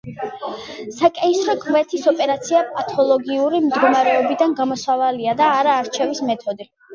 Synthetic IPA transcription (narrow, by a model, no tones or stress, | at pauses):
sakʼɛisɾakʼvɛt̪ʰisɔpʼɛɾat̪sʰiapʼat̪ʰɔlˠɔɡiuɾimd̪ɡɔmaɾɛɔbid̪anɡamɔsavaliad̪aːɾaːɾt͡ʃʰɛvismɛt̪ʰɔd̪i